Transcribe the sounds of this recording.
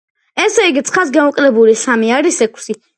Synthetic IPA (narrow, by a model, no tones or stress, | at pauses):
ɛsɛiɡit̪sʰʼχas̬ɡamɔkʼlɛbulisamiaɾisɛkʷʼʰsi